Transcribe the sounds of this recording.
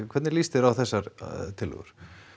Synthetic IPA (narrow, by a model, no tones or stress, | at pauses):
kʰɛt̪nɪɾlist̪ɪɾawθɛsːaɾt̪ʰɪlːʏ̰ɣʏ̰ɾ̥